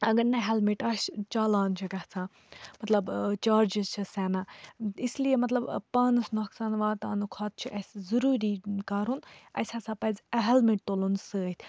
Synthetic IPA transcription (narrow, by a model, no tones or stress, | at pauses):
ɐɡɐɾnɐɦɛlmiʈɐʃt͡ʃaːlaːnt͡ʃʰiɡɐht͡sʰãː | mɐt̪lɐbt͡ʃaːɾd͡ʒizt͡ʃʰɨsɛːnaːislijemɐt̪lɐbpaːnɨsnɔksaːnʋaːt̪a̰ːnukʰaːt̪̚t͡ʃʰiʔɐszɐɾuːɾiːkaːɾunɐ̰sʲat͡sʰapɐzɐɦɛlmiʈ̚t̪olunsəːt̪ʲʰ